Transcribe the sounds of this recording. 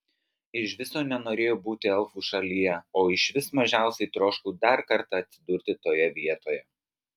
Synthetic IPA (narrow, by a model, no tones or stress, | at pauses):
ɪʃʋʲɪsoːnʲɛnoːɾʲeːjoːbuːt̪ʲɪɛlˠfuːʃɐlʲijɛoːɪʃʋʲɪsmɐʒʲæˑʊsʲɛɪt̪ɾoːʃkuːd̪ɐɾkɐɾt̪ɐɐt̪ʲsʲɪd̪ʊɾʲt̪ʲɪt̪oːjɛʋʲiɛt̪oːjɛ